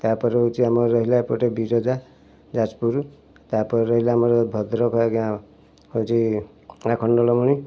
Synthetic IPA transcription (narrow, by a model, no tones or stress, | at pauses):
t̪apɔɾeot͡ʃʰiamɔːɔɦilapɔʈebiɾɔd͡ʒa | d͡ʒat͡ʃpuɾu | t̪apɔɾeɾɔɦilaːmɔɾɔbʱɔd̪ɾɔkʰɔkã | ot͡ʃʰi | akʰɔɳɖɔlɔmɔɽ̃i